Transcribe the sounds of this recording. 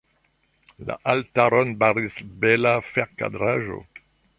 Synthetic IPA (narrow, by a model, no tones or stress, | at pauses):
la̰ʔaltaɾonbaɾisbelafeʁka̰dɾaʒo̰